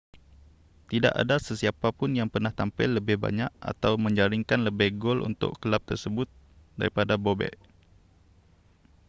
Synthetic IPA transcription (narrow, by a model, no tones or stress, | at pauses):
t̪ida̰ʔa̰dasəsiapapʊnjaŋpərnaht̪ampɪlːəbɪhba̰ɲaʔa̰t̪awmə̃ɲd͡ʒaɾiŋkanləbɪhɡolʔṵnt̪ʊ̰ʔkəlap̚t̪ərsəbʊt̪̚ | da̰ɾipadabobɛ̰ʔ